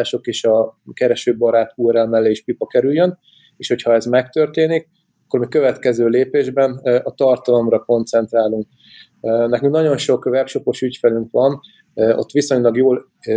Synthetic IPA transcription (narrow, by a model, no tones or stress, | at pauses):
aːʃo̞keːʃɒkɛɾɛʃøːbɒɾaːt̪uːɾɛlmɛlːeiʃpipɒkɛɾyjːøn | eːʃhochɒɛzmɛkt̪ørt̪eːnik | kːormykkøvɛt̪kɛzøːleːpeːʒbɛnɒt̪ɒrt̪ɒlo̞mrɒko̞nt̪sɛnt̪raːluŋk̚ | nɛkyŋknɒɟo̞nʃo̞kvɛpʃo̞po̞ʃycfɛlyŋkʋɒn | o̰t̪ːʋiso̞ɲlɒɡjoːl